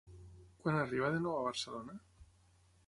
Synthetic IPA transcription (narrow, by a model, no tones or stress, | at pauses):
kwanariβaðenweβaβaɾselona